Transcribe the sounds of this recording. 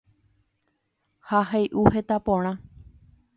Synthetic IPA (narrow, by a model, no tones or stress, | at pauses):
haɦajʔuhet̪apõɽ̃ã